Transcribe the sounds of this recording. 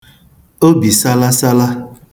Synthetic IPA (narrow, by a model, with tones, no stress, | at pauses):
o˦bi˨sa˦la˦sa˦la˦